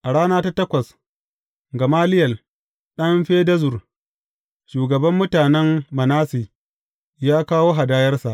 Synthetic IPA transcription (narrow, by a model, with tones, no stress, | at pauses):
ʔa˨ɽaː˦naː˦ta˦tɐ˦kʷɐ˨s | ɡɐ˨maː˦lɪ˦jɐ˨l | ɗɐ˦mɸeː˦dɐ˦zʊ˨r | ʃuː˨ɡɐ˨bɐ˦mːʊ˦taː˨nɛ˦mːɐ˨naː˦si˨ | jaː˦kaː˦woː˦ɦa˨daː˦jɐ˦rsa˨ʔ